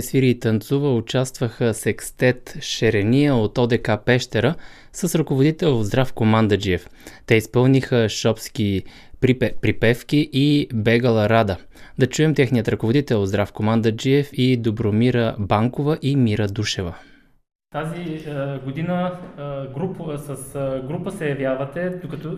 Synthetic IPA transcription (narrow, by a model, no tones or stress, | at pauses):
ɛsviɾiːt̪ɐnt̪suvəʊt͡ʃast̪vəxəsɛkst̪ɛt̪ʃɛɾɛnijəot̪ɔd̪ɛkapɛʃt̪ɛɾə | səsɾɐkovod̪it̪ɛlˠozd̪ɾafkomand̪əd͡ʒiɛft̪ɛispɤlˠnixəʃɔpski | pɾipɛfkiʔibɛɡəlˠɐɾad̪ə | d̪ɐt͡ʃuɛmt̪ɛxnijət̪ɾɐkovod̪it̪ɛlˠod̪zd̪ɾafkomand̪əd͡ʒiɛfid̪obɾomiɾəbaŋkovəʔimiɾəd̪uʃɛvə | t̪aziɡod̪inə | ɡɾupsəsɡɾupəsɛjɐvjavɐt̪ɛd̪okɐt̪ɔ